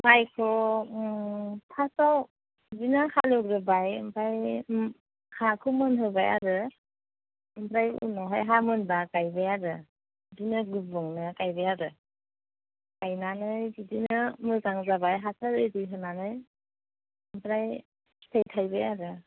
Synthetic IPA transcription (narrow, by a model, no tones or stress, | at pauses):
majkʰɔ | pʰasaw | binahalɯɡɾɯbajɯmpʰɾaj | kʰakʰɯmɯnɦɯbaja̰ɾɯ | ɯmpʰɾajṵnɔɦajɦamɯnbakajbɯjaɾɯ | dinɯɡubɯŋnɯkajbɯjaɾɯ | kajnanɯjbidinɯmɯzaŋzabajɦasʰaɾɯjdɯjɦɯnanɯj | ɯmpʰɾaj | sʰejtʰajbɯjaɾɯ